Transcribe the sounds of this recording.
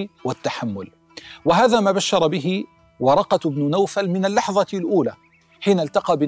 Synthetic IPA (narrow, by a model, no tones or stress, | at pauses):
wɪt̪ːaħamːʊl | wɪɦaːðaːmaːbaʃːɑɾˤbɪɦɪ | wɑɾˤɑqɑbnʊnawfalmɪnalːɑħðˤɑlʔuːlaː | ħiːnalt̪ɑqɑːbɪ